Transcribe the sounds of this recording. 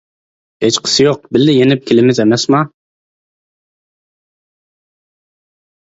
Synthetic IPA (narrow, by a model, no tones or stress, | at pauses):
het͡ʃqʰə̥sɨjoq̚bɪlːɪjenɪp̚kʲʰelɪmɪzemɛsmɑ